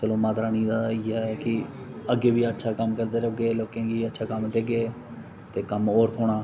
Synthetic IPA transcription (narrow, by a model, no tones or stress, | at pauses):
səlõːmaːt̪ɾaːnĩːd̪aiːɛːkɪ | əɡeːʋiːətːʃʰaːkəmkəɾd̪eːɾəɡeːloːkẽːɡiːətːʃʰaːkəmd̪eːɡeː | t̪eːkəmoːɾt̪ʰoːɽ̃aː